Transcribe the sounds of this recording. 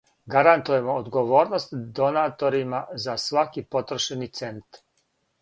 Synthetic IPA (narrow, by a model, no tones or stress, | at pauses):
ɡaɾant̪uje̞mo̞ːd̪ɡoʋo̞ːɾno̞st̪d̪o̞naːt̪o̞ɾimazasʋakipo̞t̪ɾoʃenit̪se̞nt̪